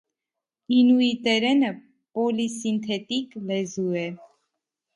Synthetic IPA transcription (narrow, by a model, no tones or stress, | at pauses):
inuit̪ɛɾɛnə | pɔlisint̪ʰɛt̪iklɛzuɛ